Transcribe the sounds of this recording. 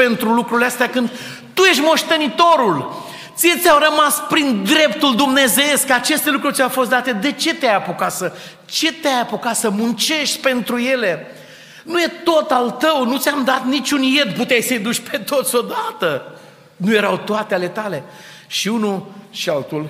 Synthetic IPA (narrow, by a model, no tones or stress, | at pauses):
pe̞nt̪ɾulukɾuleast̪eakɨnd̪ | t̪ujeʃʲmo̞ʃt̪e̞nit̪o̞ɾul | t̪siet̪sʲawrəmaspɾind̪ɾe̞pt̪uld̪umne̞zeeskat͡ʃe̞st̪e̞lukɾurʲt̪sʲawfo̞s̬t̪d̪at̪e̞d̪e̞t͡ʃe̞t̪eajapokat̪sə | t͡ʃe̞t̪eajapokat̪səmunt͡ʃe̞ʃt̪ʲpe̞nt̪ɾuje̞le̞ | nuje̞t̪o̞t̪alt̪əwnut̪sʲjamd̪at̪nit͡ʃunje̞d̪put̪eajsəjd̪ut͡ʃʲpe̞t̪o̞t̪sʲo̞d̪at̪ə | nuje̞ɾawt̪oat̪eale̞t̪ale̞ʃiunuʃialt̪ul